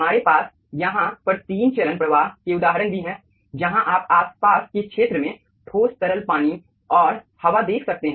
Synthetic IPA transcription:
maːɾepaːs | jɐɦãpɐɾt̪iːnt͡ʃɐlənpɾɐʋaːɦkeʊd̪aːɦɾənd̪iɦɛ̃ː | d͡ʒɐɦãʔaːpaːspaːskekʃeːt̪ɾəmẽ | ʈʰoːst̪ɐɾəlpaːñi | ɔːɾ | hɐʋad̪eːkʰsɐk̚t̪eɦɛ̃

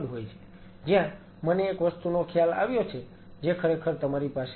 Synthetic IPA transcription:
d̪ɦojt͡ʃʰe̥ | d͡ʒjã | məneːkʋəst̪unokʰjala̰ʋjot͡ʃʰe | d͡ʒekʰəɾekʰəɾt̪əmaɾipas

